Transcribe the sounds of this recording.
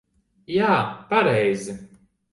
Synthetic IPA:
jaːpaɾɛjzi

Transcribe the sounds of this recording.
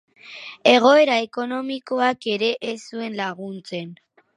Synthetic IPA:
e̞ɣ̞o̞e̞ɾaeko̞no̞miko̞ake̞ɾe̞ʔesue̞nlaɣunt͡se̞n

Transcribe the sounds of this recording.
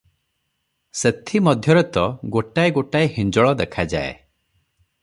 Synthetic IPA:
set̪ʰimɔd̪ʱjɔɾɔt̪ɔɡoʈajɡoʈaehind͡ʒɔɭɔd̪ekʰad͡ʒa̰ḛ

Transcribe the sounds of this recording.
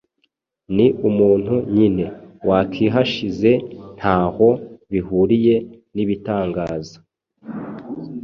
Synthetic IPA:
niʔumuːn̥huɲine̞wakʰiɦaʃize̞n̥haːho̞βihuɾije̞ | niβitaːŋɡaːzḁ

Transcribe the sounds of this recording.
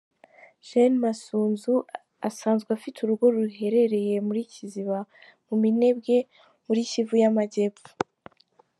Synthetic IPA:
ʒ̥enmasuːnzu | asaːnzɡafitʰuɾuɡo̞ɾuɦe̞ɾe̞ɾe̞je̞muɾiːciziβa | mumine̞bɡe̞ | muɾiːcivujamaɟe̞pu̥

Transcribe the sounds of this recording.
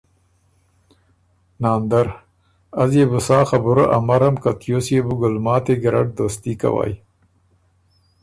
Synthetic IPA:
nɑːnd̪aɾ | azjebusɑːxabʊɾaʔamaɾamkat̪josjebuɡʊlmɑːt̪eɡɪɾa̰ʈ̚d̪oːst̪ika̰wa̰ːj

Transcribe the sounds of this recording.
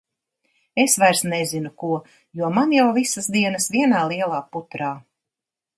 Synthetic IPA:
esvajɾsnezinukuɔ | juɔmanjawvisəsd̪iɛnəsviɛnaːlˠiɛlˠaːput̪ɾaː

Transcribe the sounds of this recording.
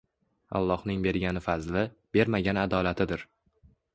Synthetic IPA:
a̰lˠːɒhnɪŋbe̞ɾɡʲanɪfazlɪb̥e̞ɾmaɡʲanad̪ɒlat̪ʰɪd̪ɪɾ

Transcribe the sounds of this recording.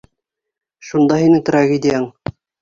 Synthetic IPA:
ʃund̪ɑɦinɘt̪raɣʲed̪ʲɪjɑŋ

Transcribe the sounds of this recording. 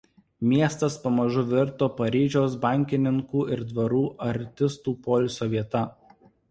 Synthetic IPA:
mʲiɛst̪ɐspɐmɐʒʊʋʲɪɾˑt̪oːpɐɾʲiːʒʲoːs̬bɑˑŋʲkʲɪnʲɪŋkuːɪɾd̪ʋɐɾuːʔɐɾʲt̪ʲɪst̪uːpɔːlʲsʲoːʋʲiɛt̪ɐ

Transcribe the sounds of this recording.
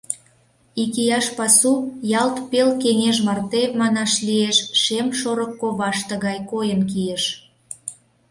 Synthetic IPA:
ikijɑʃpɑsujɑlt̪pelkeŋeʒmɑrt̪emɑnɑʃlieʃʃemʃoɾəkːoβɑʃt̪ə̆ɣɑjkojənkijeʃ

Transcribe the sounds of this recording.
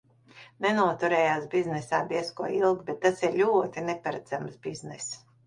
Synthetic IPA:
nɛnuɔt̪uɾɛːjaːsbiznɛsaːd̪iɛskuɔilˠɡbɛt̪ːasiɾlʲuɔt̪inɛpaɾad̪z̥amsbiznɛs

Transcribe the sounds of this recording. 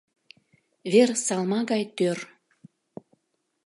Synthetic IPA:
βersɑlmɑɣɑjt̪ør

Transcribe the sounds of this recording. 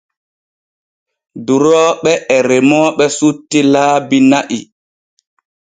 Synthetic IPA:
duɾɔɓɛʔɛɾɛmɔɓɛsutːilaːbinaʔi

